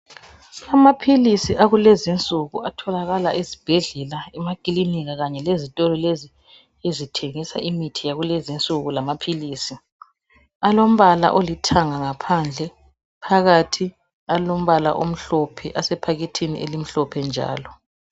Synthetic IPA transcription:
amapʰilisiʔaɣulɛzint͡sʼuɣuatʰɔlaɣalaʔizib̥ʱɛɮɛlaɛmaɡ̥iliniɣaɣaɲɛlezitʼɔlɔlezi | ezitʰeŋisa̰ʔimitʰijaɣulezint͡sʼuɣulamapʰiliːsi | alom̩βala̰ʔolitʰaŋaŋapʰand͡ɮʱɛ | pʰaɣatʰi | alom̩βala̰ʔom̩ɬɔpʰɛʔasɛpʰaɣitʰinḭʔelim̩ɬɔpʰɛnd͡ʒʱa̰ːlɔ

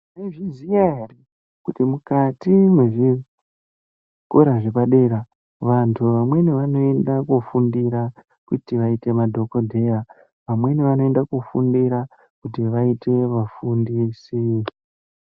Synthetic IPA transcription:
neʐizijaɦere | kutimukatimwe̞ʐi | koɾaʐepaɗeɾa | ʋantʰuʋamwe̞niʋano̞e̞ndakufundiɾa | kutiʋaite̞madʱo̞ko̞dʱe̞a | ʋamwe̞niʋano̞endakufundiɾa | kutiʋaite̞ʋafundisi

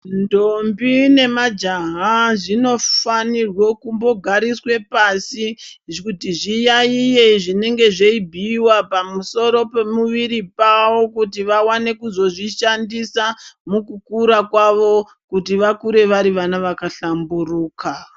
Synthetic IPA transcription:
ndombine̞mad͡ʒaɦaʐino̞fanirwokumbo̞ɡʱaɾiswe̞pasiʐkutiʐijaijeʐine̞ŋɡe̞ʐeibʱiːwapamuso̞ɾo̞pe̞muʋiɾipawo̞kut̬iʋawane̞kuzo̞ʐiʃandisamukukuɾakwaʋo̞ | kutiʋakuɾe̞ʋaɾiʋanaʋakaɬamburuːka

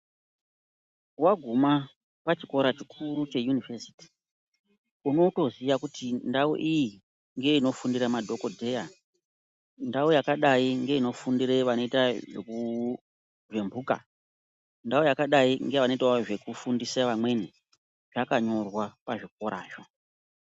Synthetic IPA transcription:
waɡʱuma | pat͡ʃiko̞ɾat͡ʃikʰurut͡ʃe̞junivesi̥ti̥ | uno̞to̞ziʋakutʰindaṵʔiji | ŋɡe̞ino̞fundiɾamadʱo̞ko̞dʱe̞ja | ndaojakaɗaiŋɡe̞ino̞fundiɾeʋano̞itaʐeku | ʐe̞mbuka̰ | ndaojakaɗaiŋɡe̞ʋano̞itaʐe̞kufundisaʋamwe̞ni | ʐ̥akaɲo̞rwapaʐik̚o̞ɾa̰ːʐo

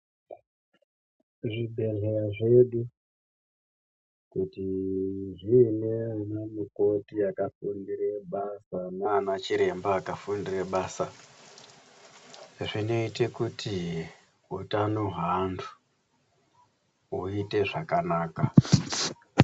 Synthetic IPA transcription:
ʐibʱe̞ɮeɾaʐe̞ɗu | kutiʐiːnenamiko̞tiakafundiɾeɓasananat͡ʃiɾe̞mbaːkafundireɓaːsa | ʐino̞ite̞kutʰi | ɦutanoɦandu̥ | uite̞ʐakanaːka

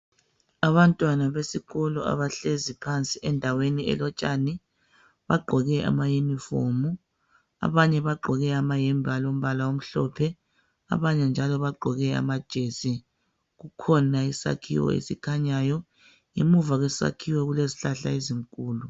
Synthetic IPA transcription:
aβantʼwanaβesiɣɔlɔa̰βaɬezipʰant͡sʼiʔɛndʱaweniɛ̰lɔt͡ʃʼani | βaɡ͡ǃʱɔɣɛʔa̰majumifomu | a̰βaɲɛβaɡ͡ǃʱɔɣɛamajɛmbʱalom̩βalaom̩ɬɔpʰɛ | a̰βaɲɛnd͡ʒʱalɔβaɡ͡ǃʱɔɣɛa̰mad̥ʒ̥ʱesi | ɣukʰɔnaisa̰kʰḭwɔ̰ḛsikʰaɲajɔ | jemuvaɣwɛsa̰kʰiwɛɣuleziɬaɬa̰eziŋkʼuːlu

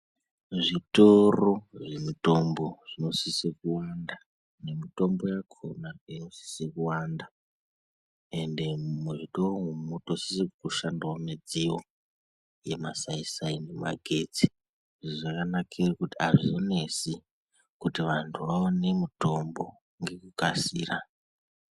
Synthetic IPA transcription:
ʐitoroʐemito̞mbo̞ʐ̥ino̞sisikuwanda | nemito̞mbo̞jakʰonainosi̥sikuwanda | e̞nde̞muʐito̞roŋumutosi̥sikuʃandwamed͡ziwo | je̞̰masaisainema̰ɡʱe̞t͡si̥ | ʐiʐoʐakanakʰarikutiaʐizone̞si | kutiʋantʰuʋaone̞mito̞mbo̞ | ŋɡe̞kukasiːra

